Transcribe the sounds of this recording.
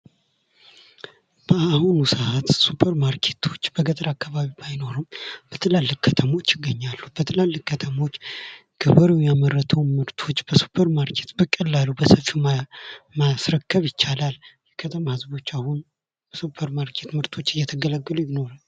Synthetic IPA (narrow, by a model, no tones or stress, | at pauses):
b̥əahunusəhat̪supʰəɾmaɾkʰe̞t̪ʰo̞t͡ʃːbəɡət̪ʼəɾakːaβaβibajno̞ɾɨmb̥ət̪ʰəlalːɨkkʰːət̪ʰəmo̞t͡ʃːjɪɡːəɲːalːub̥ət̪ʰəlalːɨkkʰːət̪ʰəmo̞t͡ʃːɡ̥ʰɨβəɾɨwjaməɾːət̪ʰəwmɨɾt̪ʰo̞t͡ʃːb̥əsu̥pʰəɾmaɾkʰe̞t̪bəkʼəlːalubəsəfi | masɾəkːəβjɪt͡ʃːalaljɛkʰət̪ʰəmahɨzbo̞t͡ʃːahun | b̥əsupʰəɾmaɾkʰe̞t̪mɨɾt̪ʰo̞t͡ʃːɨjɛt̪ʰəɡələɡːɨlujɪno̞ɾal